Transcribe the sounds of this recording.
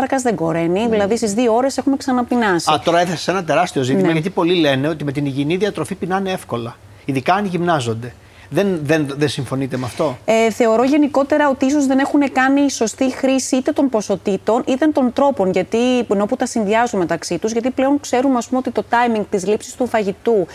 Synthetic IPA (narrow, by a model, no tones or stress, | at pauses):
ɐɾxɐzðe̞ɡo̞ɾe̞niðilɐðisizðioo̞ɾe̞se̞xume̞ksɐnɐpinɐsit̪o̞ɾɐeθese̥se̞nɐt̪e̞ɾɐst̪io̞zitnimɐʝɐt̪ipo̞lile̞neot̪ime̞t̪iniʝiniðiɐt̪ɾo̞fipinɐnee̞fko̞lɐ | iðikɐnʝimnɐzo̞nd̪e̞ | ðenðenðensiɱfo̞nit̪emeɐft̪o̞eθe̞o̞ɾo̞ʝe̞niko̞t̪e̞ɾɐo̞t̪iisozðe̞ne̞xune̞kɐniso̞st̪ixɾisiit̪e̞t̪o̞npo̞so̞t̪it̪o̞nit̪e̞nt̪o̞nt̪ɾo̞po̞nʝɐt̪ieno̞put̪ɐsinðiɐzunme̞t̪ɐksit̪uzʝɐt̪iple̞o̞nkse̞ɾumeɐspumeo̞t̪it̪o̞t̪ɐjmiŋɡ̚t̪izlipsi̥st̪ufɐʝit̪u